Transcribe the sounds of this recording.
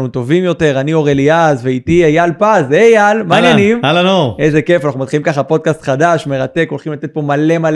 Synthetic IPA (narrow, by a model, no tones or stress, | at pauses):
nut̪o̞vimjo̞t̪e̞ʁanio̞ʁeliazveit̪iejalpazejalmainjanimalanoʔejzeke̞fanaχnumat̪χilimkaχapo̞d̪̚kast̪χad̪aʃme̞ʁat̪e̞ko̞lχimlat̪e̞t̪̚po̞male̞mal